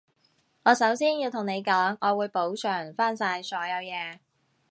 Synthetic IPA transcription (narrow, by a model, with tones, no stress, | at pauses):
ŋɔː˨˧sɐ˨˥wsiː˥njiː˧wt̪ʰŋne˨˧jkɔː˨˥ŋɔː˨˧wuː˨˧jpo˨˥wsʰœː˨˩ŋfaː˥nsaː˧jsɔː˨˥jɐ˨˧wjɛː˨˧